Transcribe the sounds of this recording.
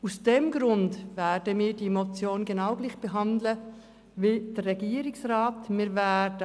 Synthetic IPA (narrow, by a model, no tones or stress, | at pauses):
usd̥ɛmɡ̥ɾʊndvɛːdəmiːɾdimot͡sjoːnɡenaʊɡliːχb̥eɦɑndlə | vid̥ərːɛɡiːɾɪksrɑːtmiːɾvædə